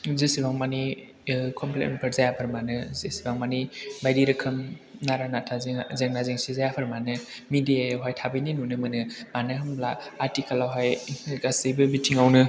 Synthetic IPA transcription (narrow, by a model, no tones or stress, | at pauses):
zesibaŋmani | kʰɔmplḛt̚mpʰɐɾzajapʰɯɾmanɯzesibaŋmanibajɾiɾɯkʰɯmnaɾanatʰazizeŋnazeŋsizajapʰɯɾmanɯ | midijajawɦajtʰabɐjninunɯmɯnɯmanɯɦɐmblaːɾtikalawɦajɡasejbɯbitʰiŋawnɯ